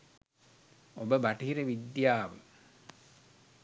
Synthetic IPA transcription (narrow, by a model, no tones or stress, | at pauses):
obəbaʈiɦiɾəʋid̪jaːʋə